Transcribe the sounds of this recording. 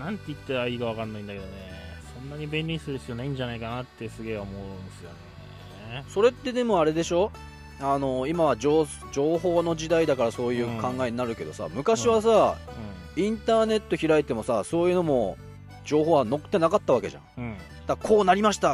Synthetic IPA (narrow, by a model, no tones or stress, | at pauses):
nãnt̪ːeit̪ːaɾaiɡaβakanːaĩnd̪ake̞d̪onesõ̞nːaɲ̟ibẽ̞nʲɾʲisɨd̪esɨonaĩɲ̟d͡ʑanaikanat̪ːe̞sɨɡe̞ːomo̞ɯ̃sɨjo̰ne | so̞ɾe̞t̪ːe̞d̪e̞mo̞aɾe̞d̪e̞ɕo̞ | ano̞imaβad͡ʑo | d͡ʑo̞ːɦo̞ːno̞d͡ʑid̪aid̪akaɾaso̞ːjɯ̟ːkãŋɡaeɲ̟inaɾɯ̟ke̞d̪o̞sa̰mɯ̟kaɕiβas̬aɯ̃ | ĩnt̪aːne̞t̪ːo̞çiɾait̪e̞mo̞saso̞ːjɯ̟no̞mo̞ | d͡ʑo̞ːɦo̞ːβano̞kɯ̥t̪enakat̪ːaβake̞̰ʑã̰ɯ̟̃ | d̪̥akʰo̞ːnaɾʲimaɕi̥t̪a